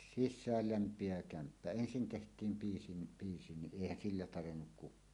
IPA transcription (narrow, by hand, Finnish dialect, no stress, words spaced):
sisˑæːl læmpˑieʋæ kæmpːæ ensin tehtˑiːm piːsi ni piːsi ni ʔeˑihæn silːæ tɑrenːuk kukˑɑː